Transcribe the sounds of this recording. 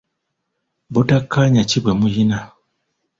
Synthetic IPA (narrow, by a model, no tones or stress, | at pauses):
butakʰːaɲacibwemujina